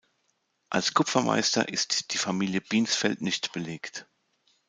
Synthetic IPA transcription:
ʔalskʰʊpfɐmʔa̰ɪstɐ̰ʔɪstd̥iːfamiːljəb̥iːnsfɛltnɪçtb̥əleːkt

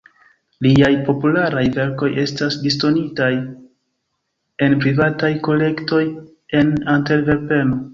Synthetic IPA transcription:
liajpo̞pulaɾajve̞ɾko̞je̞stasdisto̞nitaj | e̞npɾivatajko̞le̞kto̞j | e̞nante̞lve̞ɾpe̞no

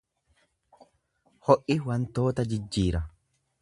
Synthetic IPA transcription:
hɔʔɪwɐnt̪o̞ːt̪ɐd͡ʒɪd͡ʒːiːɾɐ

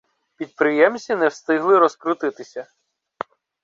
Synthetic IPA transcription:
pʲid̪̚pɾɪjɛmsʲinɛwst̪ɪɦlˠɪɾɔskɾʊt̪ɪt̪ɪsʲɐ

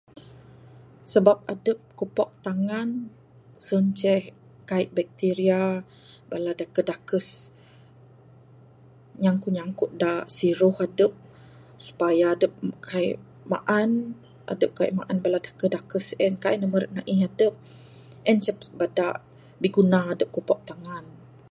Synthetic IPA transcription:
səbap̚adəp̚kupɔk̚t̪aŋan | sənt͡ʃɛh | kaiʔbɛk̚t̪iɾia | baladakədakəs | ɲaŋkuɲaŋkʊt̪̚dasiɾʊhadəp̚ | su̥pajaːdəp̚kʰaḭʔ | ma̰ʔan | ʔa̰dəp̚kaḭʔma̰ʔanbaladakədakəsɛnkaiʔnəməɾəʔ̚naʔihadəp̚ | ɛnt͡ʃɛp̚bada̰ʔ | biɡunaːdəp̚kopɔk̚t̪aŋan

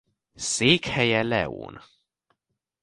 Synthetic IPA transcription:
seːkhɛjɛlɛ̰ṵːn

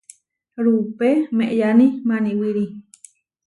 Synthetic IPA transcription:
ɾupemeʔjanimaniwiɾi

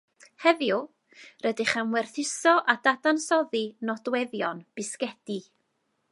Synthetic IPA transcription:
hɛvjʊ | rədɪχəmwɛrθɪsɔʔadadansɔðinɔdwɛðjɔnb̥ɪskɛd̥i

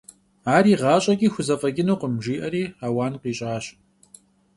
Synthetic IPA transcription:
aːɾiːʁɑːɕʼɐɡʲiːxʷʊzɐfʼɐɡʲɪnuːqəmʒiːʔɐɾiːaːwaːnqiːɕʼaːɕ

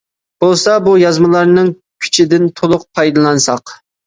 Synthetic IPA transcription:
b̥olˠsɑbujɑzmɨlˠɑɾnɨŋ | kʲʰy̥t͡ʃʰid̪ɪnt̪ʰolˠʊq̚pʰɑjd̪ɑlˠɑnsɑq

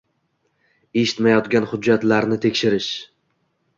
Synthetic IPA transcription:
e̞ʃɪ̥t̪majɒt̪ɡʲanhʊd͡ʒːat̪laɾnɪt̪ʰe̞kʲʃɪɾɪʃ

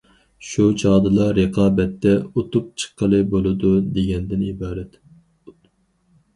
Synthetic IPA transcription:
ʃut͡ʃʰɑːd̪ɨlˠɑɾəqʰɑːbɛt̪ːɛot̪ʊp̚t͡ʃʰə̥qʰːəlˠɨbolˠɨd̪ud̪eɡʲɛnd̪ɪnibɑːɾɛt̪

